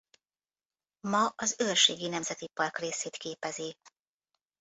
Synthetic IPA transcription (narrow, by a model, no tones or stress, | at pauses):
mɒɒzøːrʃeːɡinɛmzɛt̪ipɒrkreːseːt̪keːpɛzi